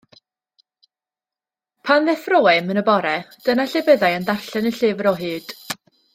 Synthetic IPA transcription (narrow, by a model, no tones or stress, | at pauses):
pʰanðɛfroːɛmənəbɔɾɛd̥ənaɬɪbəðajəndarɬɛnəɬɪːvəɾɔɦɨːd̥